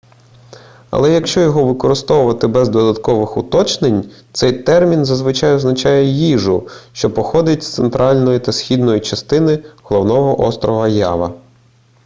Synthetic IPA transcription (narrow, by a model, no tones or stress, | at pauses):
ɐ̰lˠɛjɐkʃt͡ʃɔjɔɦɔʋɪkɔɾɪst̪ɔwʊʋɐt̪ɪbɛzd̪ɔd̪ɐt̪kɔʋɪxʊt̪ɔt͡ʃnenʲt̪sɛjt̪ɛrmʲinzɐzʋɪt͡ʃɑjɔznɐt͡ʃɑjɛjiʒʊʃt͡ʃɔpɔxɔd̪ɪtʲst̪sent̪ɾʔɑlʲnɔjit̪ɐsʲxʲid̪nɔjit͡ʃɐst̪ɪnɪɦɔlˠɔwnɔɦɔʔɔst̪ɾɔɦɐjɑ̰ʋɐ̰